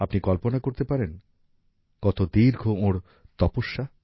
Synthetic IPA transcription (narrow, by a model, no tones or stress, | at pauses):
apnikɔlponakoɾt̪epaɾen | kɔt̪od̪iɾɡʱooɾ | t̪ɔpoʃːa